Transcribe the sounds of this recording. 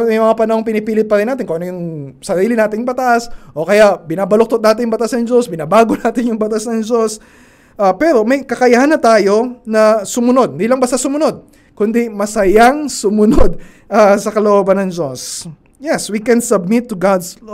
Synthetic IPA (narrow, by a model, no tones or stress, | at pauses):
mjmɐŋapɐnɐhoŋpɪnɪpiːlɪt̪̚pɐɾɪnːaːt̪ɪnkoʔɐnɐjʊŋsɐɾiːlɪnaːt̪ɪnbɐt̪aʔsʔo̞kɐjaʔbɪnaːbɐlok̚t̪ot̪naːt̪ɪnjʊŋbɐt̪asnɐŋd͡ʒo̞sbɪnabaːɡonaːt̪ɪnjʊŋbɐt̪asnɐŋd͡ʒo̞s | ʔapɛɾo̞mɐjkɐkɐjahɐnːɐt̪aːjo̞nɐsʊmʊno̞d̪̚nd̪ilɐŋbɐst̪ɐsʊmʊno̞d̪̚ | kʊnd̪imɐsɐjaŋsʊmʊnod̪̚ | ʔɐsɐkɐloʔobɐnːɐŋd͡ʒo̞s | jɛswikɛnsɐb̚mɪt̪ːʊɡad̪s